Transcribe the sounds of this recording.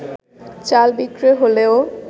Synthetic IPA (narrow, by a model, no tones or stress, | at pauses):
t͡ɕalbikɾeɦoleo